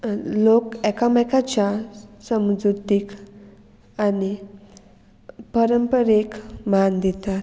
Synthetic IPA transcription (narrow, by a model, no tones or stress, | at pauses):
lokɛkamajkat͡ɕasəmd͡zut̪ik | ani | pəɾəmpəɾekmand̪it̪at̪